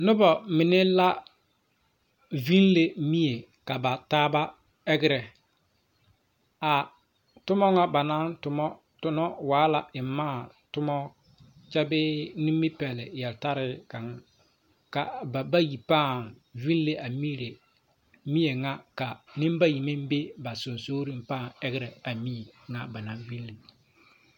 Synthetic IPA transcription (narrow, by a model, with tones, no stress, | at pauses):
nʊ˦bɔ˨mɪ˨nɪ˦la˦ | vi˦nle˦mi˦e˨ | ka˨ba˨taː˦ba˦ | ɛ˦ɡɪ˦ɾɛ˨ | a˨ | tʊ˦mɔ˦ŋa˦ba˨na˦ntʊ˨mɔ˦ | tʊ˦nɔ˦waː˨˦la˨ɪ˨m˦mːaː˦˨ | tʊ˦mɔ˦ | t͡ʃɛ˦bɪ˦ni˦mːi˦pɛ˨lɪ˨jɛ˨lta˦ɾɪ˦ka˨ŋ˦ | ka̰˨ba˨ba˦ji˨paː˦˨ŋ | vi˦nlːe˦ʔa˨miː˦ɾe˨ | mi˦je˨ŋa˦ka˨nɪ˦mba˦ji˨mɪ˦m˦be˦ba˨sʊ˨nsoː˦ɾi˦mpa˦˨ŋɛ˦ɡɪ˦ɾɛ˨a˨mi˦e˨ŋa˦ba˨na˨ɱvi˦lːe˨